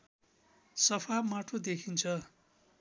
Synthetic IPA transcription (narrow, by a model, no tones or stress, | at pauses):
sʌpʰamaʈʰod̪ekʰint͡sʰʌ